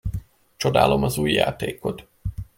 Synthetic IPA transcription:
t͡ʃo̞d̪a̰ːlo̞mɒzuːjːa̰ːt̪eːko̞t̪

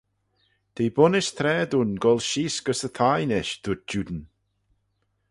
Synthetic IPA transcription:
d̪̥eːbʊnɪʃt̪ʰɾɛːd̪unɡɔlˠʃiːsɡ̥əsət̪ʰajnɛʃd̪̥ʊt̪̚d͡ʒud̪ən

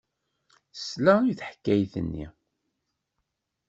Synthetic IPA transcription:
slæujθħkːæjθə̰nːḭ

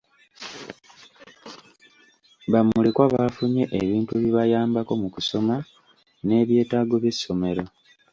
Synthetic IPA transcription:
bamulekwaβafuɲe̞ʔeβiːntueβiβajaːmbako̞mukuso̞ma | ne̞ːβje̞ːtaːɡo̞βje̞sːo̞me̞ɾo̞

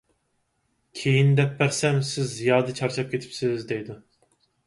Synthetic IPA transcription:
kʲʰejind̪ɛpːæɾsɛmsɪzːijɑːd̪ɨt͡ʃʰɑɾt͡ʃʰɑp̚kʲʰet̪ʰɪ̥psɪzd̪ejd̪u

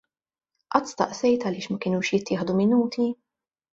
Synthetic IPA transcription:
ʔɐt̪ːst̪ɐ̰ʔsɛjt̪ɐlɪːʃmɐkɪːnuːʃjɪt̪ːɪːħd̪umɪnuːt̪ʰi

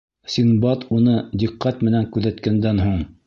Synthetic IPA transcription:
sinbɑt̪unɤd̪iqːɑt̪mɘ̆næŋkʉðæt̪kænd̪ænɦuɴ

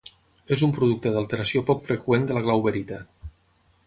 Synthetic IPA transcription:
ezumpɾuð̞uk̚t̪əðalˠt̪əɾəsiopɔkfɾəkwend̪ələɣlawβəɾit̪a

